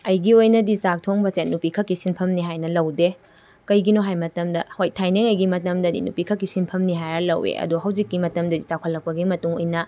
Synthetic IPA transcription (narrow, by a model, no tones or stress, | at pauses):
ɐjɡiojnɐdizak̚tʰoŋbɐsenupikʰɐkːisinpʰɐmniɦajnɐlɐwde | kɐjɡinoɦajmɐtɐmdɐhojtʰajneŋɐjɡimɐtɐmdɐdḭnṵpikʰɐkːisinpʰɐmniɦajnɐlɐ̰wḛʔɐ̰duɦɐwd͡ʒikːimɐtɐmdɐdit͡ʃakʰɐlːɐk̚pɐɡimɐtuŋojnɐ